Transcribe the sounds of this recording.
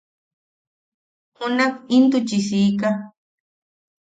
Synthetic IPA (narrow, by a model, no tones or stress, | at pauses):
hʊnakɪnt̪ʊt͡ʃisika